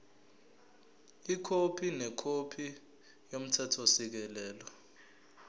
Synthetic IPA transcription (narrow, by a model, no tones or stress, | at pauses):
ikʰopʰinɛkʰopʰi | jom̩tʰɛtʰɔsik̬ɛlɛːlɔ